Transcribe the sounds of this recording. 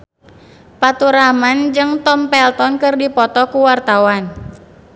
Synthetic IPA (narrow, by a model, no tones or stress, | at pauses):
pat̪uɾamand͡ʒɨŋt̪ɔmpɛlt̪ɔnkɨrdipɔt̪ɔkuwart̪awan